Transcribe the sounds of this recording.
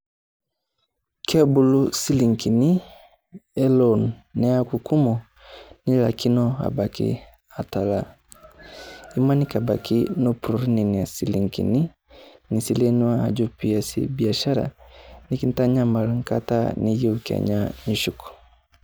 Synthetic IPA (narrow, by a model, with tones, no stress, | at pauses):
kʰɛ˦bu˦lu˦si˦li˨ŋki˨ni˦ | ɛ˦lɔnːɛ˦a˦ku˨ku˦mɔ˨ | ni˦la̰˨ki˦nɔ˦a̰˨ba˨kḭ˦ | a˨ta˨la˨ | i˦ma˦ni˦ka˨ba˨kinɔ˦pɾɔ˨ɾi˦ni˨ni˨a˨si˨li˨ŋkḭ˨ni˦ | ni˨si˦lɛ˦nu˦wa˦a̰˨d͡ʒu˦pia˨sḭbi˨a˨ʃa˦ɾa̰niki˦n˦ta˦ɲa˦ma˨ɾa˨ŋka˦ta̰˦ni˦ji˦uka̰˨ɲa˦ni˨ʃuku̥˨